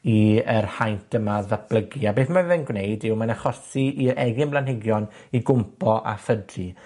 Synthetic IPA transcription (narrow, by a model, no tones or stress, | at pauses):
iərhajntʰəmaðab̥ləɡiabeːθmavɛnɡwnejdɪwmanaχɔsiiɾɛɡɪnblˠanɦɪɡjɔn | iɡʊmpʰɔʔa̰fədri